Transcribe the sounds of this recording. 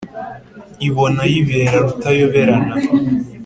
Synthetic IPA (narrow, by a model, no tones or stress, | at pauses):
iβo̞najiβeɾaɾutajoβeɾana